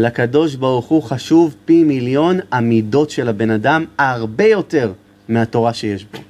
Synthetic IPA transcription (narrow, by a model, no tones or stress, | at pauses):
lakado̞ʃ̬baʁuχuχaʃuvpimiljo̞namido̞tʃelabe̞nadamaʁbe̞jo̞te̞ʁ | miato̞ʁaʃe̞jeʃbo̞